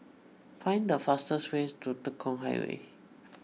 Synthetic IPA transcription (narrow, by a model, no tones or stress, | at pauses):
fãɪ̃ndəfastəswestutəkʰːɔ̃ŋɦa̰ɪwḛ